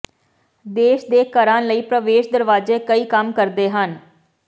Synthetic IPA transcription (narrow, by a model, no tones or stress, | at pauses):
d̪eːʃd̪eːkəɾãːləiːpɾəʋeːʃd̪əɾʋaːzeːkəiːkəmkəɾd̪eːɦən